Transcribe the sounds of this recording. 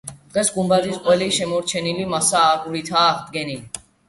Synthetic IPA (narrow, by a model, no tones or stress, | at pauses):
d̪̥ʁɛsɡumbazisqʼwɛliʃɛmɔɾt͡ʃʰɛnilimasaːɡuɾit̪ʰaːχd̪̚ɡɛnili